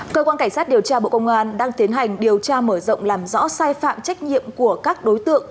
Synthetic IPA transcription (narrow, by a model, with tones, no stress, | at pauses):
kəː˧kwaː˧nka˧˩ŋ̟saː˦˥t̚ɗi˨˩əwt͡ɕaː˧ɓo̰˧˨kə˧wŋ͡mʔaː˧nɗaː˧ŋt̪i˨˦ənɦa˨˩jŋ̟ɗi˨˩əwt͡ɕaː˧məː˧˩zə̰˧˨wŋ͡mlaː˨˩mzɔ̰˧˥saː˧jfa̰ː˧˨mt͡ɕa˦˥jk̟̚ɲḭ˧˨əmku˧˩əkaː˦˥k̚ɗo˨˦jt̪ɨ̰˧˨əŋ